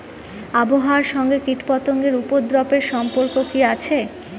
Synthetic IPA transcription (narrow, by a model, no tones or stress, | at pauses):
aboɦaaɾʃɔŋɡekiʈpɔt̪oŋɡeɾupod̪ɾɔpeɾʃɔmpoɾkokiat͡ɕʰe